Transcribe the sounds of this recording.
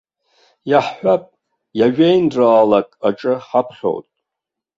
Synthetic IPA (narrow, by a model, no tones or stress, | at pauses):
jaħħʷapʼ | jaʒᶣejnraːlakʼaʈ͡ʂʼɨħapʰχʲo̰wtʼ